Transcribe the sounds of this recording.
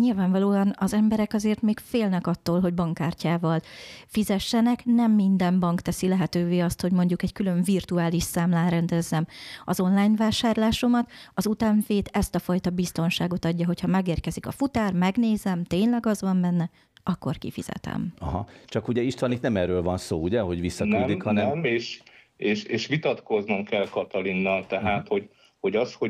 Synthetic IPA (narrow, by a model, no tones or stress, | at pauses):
ɲilvaːɱvɒloːɒnɒzɛmbɛɾɛkɒzeːrt̪meːkfeːlnɛkɒt̪ːoːlɦo̞ɟbɒŋkːaːrcaːvɒlfizɛʃːɛnɛknɛmːind̪ɛmbɒŋkt̪ɛsilɛɦɛt̪øːveːɒst̪ho̞ɟmo̞ɲɟukɛɟkylø̞ɱvirt̪uaːliʃsaːmlaːɾɛnd̪ɛzːɛmɒzo̞nlaːjnvaːʃaːrlaːʃo̞mɒt̪ɒzut̪aːɱfeːt̪ɛst̪ɒfɒjt̪ɒbist̪o̞nʃaːɡo̞t̪ɒɟːɒɦo̞chɒmɛɡeːrkɛzikɒ̰fut̪aːrmɛɡneːzɛmt̪eːɲlɛɡɒzʋɒmbɛnːɛ | ɒkːo̞rkḭfḭz̥ɛ̰t̪ɛ̰mɒɦɒ̰t͡ʃɒkuɟɛiʃt̪ɒnit̪nɛmɛrøːlvɒnso̰ːuɟɛɦo̞ɟʋisːɒnyːd̪ikhɒnɛɛmeːʃeːʃeːʃʋit̪ɒt̪ko̞znomkɛlkɒt̪ɒlinːɒlt̪ɛɦaːt̪ho̞ɟ | ho̞ɟɒsho